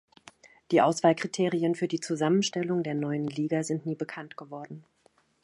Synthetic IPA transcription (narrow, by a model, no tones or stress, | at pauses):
d̥iːʔaʊsv̥aːlkʁ̥itʰeːʁiənfyːɐdiːt͡suzamənʃtɛlʊŋdeːɐnɔʏənliːɡazɪntniːbəkʰantɡ̥əvɔɐdn̩